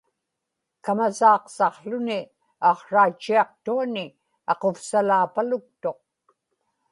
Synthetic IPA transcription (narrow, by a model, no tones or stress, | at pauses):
kamasɑːqsɑqɬʊnɪ | ɑqʂaːt͡ʃːiɑq̚t̪uanɪ | ɑqo̞fsalaːpalʊk̚t̪o̞q̚